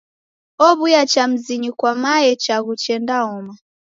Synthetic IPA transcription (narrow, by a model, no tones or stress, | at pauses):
ɔβujat͡ʃam̩ziɲikwamaɛt͡ʃaɣut͡ʃɛndaɔma